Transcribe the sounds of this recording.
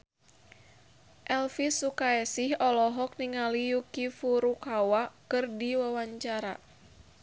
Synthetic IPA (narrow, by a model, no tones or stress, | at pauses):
ʔɛlfisukaɛsɪhɔlɔɦɔk̚niŋalijukifuɾukawakɨrdiwawaɲt͡ʃaɾa̰